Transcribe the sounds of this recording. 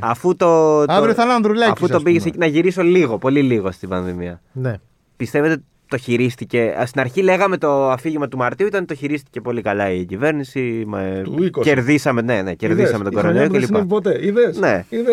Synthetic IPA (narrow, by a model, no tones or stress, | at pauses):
ɐfut̪o̞ɐɾioθɐnɐnðɾulɐɐfust̪o̞biʝeseinɐʝiɾiso̞liɣo̞po̞liliɣost̪ibɐnðimiɐne | pist̪eve̞t̪e | t̪o̞çiɾist̪ice̞st̪inɐɾçile̞ɣɐme̞t̪o̞ɐfiʝimɐt̪umɐɾt̪iuit̪ɐnt̪o̞çiɾist̪i̥ce̞po̞likɐlɐicive̞ɾnisimeikosceɾðisɐme̞ne̞neceɾðisɐmet̪oɡoɾonoɾiocelippot̪eiðesneiðe